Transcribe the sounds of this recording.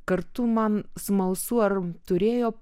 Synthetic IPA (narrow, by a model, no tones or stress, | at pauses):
kɐrt̪ʊmɐnsmɐʊsuɐrt̪ʊɾʲeːjoː